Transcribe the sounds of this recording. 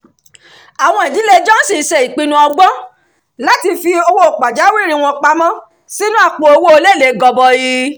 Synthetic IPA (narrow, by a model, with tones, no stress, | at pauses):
a˨w̃ɔ̃˧i˨di˨˦le˧d͡ʒɔ̃˦n̩˦si˦˨˦ʃɛ˨i˨k͡pi˧nũ˧˦ɔ˧ɡ͡bɔ̃˦ | la˦ti˧fi˧o˧wo˦o˨k͡pa˨d͡ʒa˨˦wi˦˨ɾ̃ĩ˨˧w̃ɔ̃˧k͡pa˧mɔ̃˦ | si˦nũ˦a˧k͡po˨˧o˧wo˦o˧le˦˨le˨˦ɡɔ˧bɔ˧ji˧